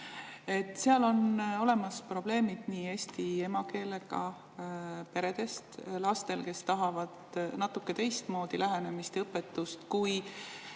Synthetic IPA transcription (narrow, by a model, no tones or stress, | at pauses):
e̞t̪ːˑseɑlo̞no̞le̞mɑspro̞b̥le̞ːmid̪̥niːe̞ːsʲt̪ie̞mɑke̞ːle̞ɡɑ | pe̞ɾe̞d̪̥e̞st̪lɑst̪e̞lke̞st̪ɑɦɑvɑd̪̥nɑt̪ːˑukːe̞t̪e̞jst̪mo̞ːd̪̥ilʔæɦene̞mist̪ɤpːe̞t̪ːˑust̪kuj